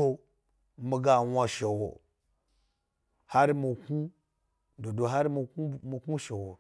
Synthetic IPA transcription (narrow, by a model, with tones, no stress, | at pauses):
o˦ | mi˧ɡa˦wa˧ʃe˨wo̰˨ | ha˦ɾmi˨ku˦ | do˨do˨ɦa˦ɾmi˧ku˦mi˧ku˦ʃe˨wo˨